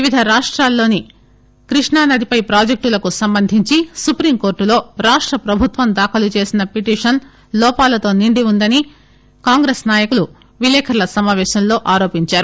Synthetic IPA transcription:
ʋiʋid̪ʱɐɾaːʂʈɾaːlːo̞ːni | kɾiʂɳaːnɐd̪ʱipɐjpɾaːd͡ʒek̚ʈulɐkusɐmbɐnd̪ʱiɲt͡ʃisupɾiːmko̞ːɾʈulo̞ːɾaːʂʈɾɐpɾɐbʱut̪ʋɐmd̪aːkʰɐlut͡ʃe̞ːsinɐpiʈiːʂɐn | lɔːpaːlɐt̪o̞ːniɳɖiund̪ɐni | kaːŋɡɾeːsnaːjɐkulu | ʋilɛːkʰɐɾlɐsɐmaːʋɛːʃɐmlo̞ːʔaːɾo̞ːpiɲt͡ʃaːɾu

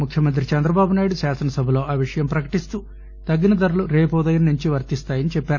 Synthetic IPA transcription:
mukʰjɐmɐnt̪̬ɾit͡ʃɛnd̪ɾɐbaːbunaːjɽusaːsɐnɐsɐbʱɐlo̞ːʔaːʋiʂɐjɐmpɾɐkɐ̥ʈist̪uː | t̪ɐɡːinɐd̪ɐɾuluɾeːpoːd̪ɐjɐnuɲt͡ʃiʋɐɾt̪ist̪aːjɐnit͡ʃɛpːaːɾu

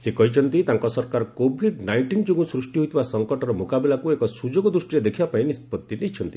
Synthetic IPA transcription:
sekɔɦit͡ʃʰɔnt̪it̪aŋkɔsɔɾkaɾɔkobʱiɖnajɳʈind͡ʒoɡũsɾusʈiɦojt̪ʰibasɔŋkɔʈɔɾɔmokabilakuekɔsud͡ʒoɡɔd̪ɾusʈiɾed̪ekʰibapaĩnispɔt̪ːinejt͡ʃʰɔnt̪i

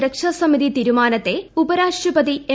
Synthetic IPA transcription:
ɾɐkʂɐsɐmiðit̪iːɾumaːnɐt̪ːe̞ubɐɾaːʂʈrɐpɐðie

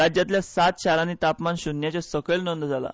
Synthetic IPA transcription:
ɾad͡ʑjat̪ljasat̪ɕaɾaniːt̪apmanɕunjat͡ɕasəkəlnənd̪d͡zʱala̰

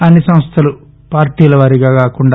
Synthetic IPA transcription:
ɐnːisɐmɐst̪ʰɐlu | paːɾʈiːlɐʋɐɾiɡaːkaːkuɳɖ

